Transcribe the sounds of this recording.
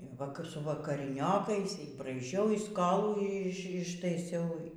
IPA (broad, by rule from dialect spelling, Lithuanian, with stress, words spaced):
ʋɐ ˈkɐp sʊ ʋɐkɐrʲɪˈnʲoːkɐɪs iː brɐɪˈʒʲɛʊ iː ˈskoːlˠuː ˈɪʃ ɪʃtɐɪˈsʲɛʊ